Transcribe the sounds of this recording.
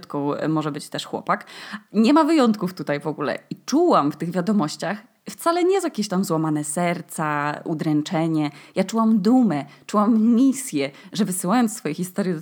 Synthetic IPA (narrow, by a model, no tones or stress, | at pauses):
t̪kɔ̃w̃mɔʐɛbɘt͡ɕt̪ɛʂxwɔ̰pakɲɛmavɘjɔnt̪̚kuft̪ut̪ajvɔɡulɛ̰it͡ʂuwamft̪ɘɣvʲjad̪ɔmɔɕt͡ɕax | ft̪salɛɲɛzjakʲeɕt̪amzwamanɛsɛɾt̪saud̪ɾɛnt͡ʂɛɲɛjat͡ʂuwamd̪umɛt͡ʂuwamːʲisʲjɛʐɛvɘsɘwajɔnt̪sfɔjɛxʲist̪ɔɾjɛ